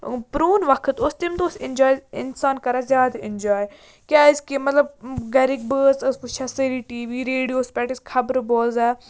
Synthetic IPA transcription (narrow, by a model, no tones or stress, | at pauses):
pɾoːnʋɐkʰət̪ost̪imt̪osɪnd͡ʒaːjɪnsaːnkɐɾazjaːd̪ɪnʲd͡ʒaːj | kʲaːɪskemɐt̪lɐb̚ɡɐɾik̚bəːsɐsuʃɐsɐɾiʈiːʋiːɾeːɽijoːspʲɛʈiskʰɐbɾboːlzaː